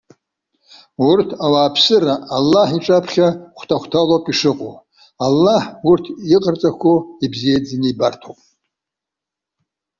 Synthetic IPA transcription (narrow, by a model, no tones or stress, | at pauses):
urtʰawaːpʰsɨɾaːlːaħiʈ͡ʂʼapʰχʲaχʷtʰaχʷtʰalapʼiʂɨqʼo̰ | alːaħurtʰiqʼərt͡sʼakʷʰoibzijed͡zaniibartʰo̰wpʼ